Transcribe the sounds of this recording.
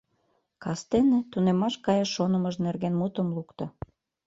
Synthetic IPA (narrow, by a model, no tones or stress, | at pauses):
kɑst̪enĕt̪unemɑʃkɑjɑʃonə̆məʒnerɣenmut̪ə̆mlukt̪ŏ